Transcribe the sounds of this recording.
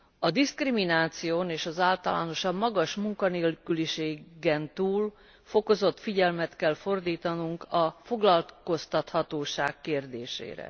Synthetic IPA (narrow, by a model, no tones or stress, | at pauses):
ɒd̪iskriminaːt̪sijoːneːʃɒzaːlt̪ɒla̰ːno̞ʃɒbmɒɡɒʃmuŋkɒneːlkyliʃeːɡɛnt̪uːl | fo̞ko̞zo̞t̪fiɟɛlmɛt̪kɛlfo̞rd̪iːt̪ɒnuŋkɒfo̞ɡlɒlko̞st̪ɒt̪hɒt̪oːʃa̰ːkːeːrd̪eːʃḛːɾɛ̰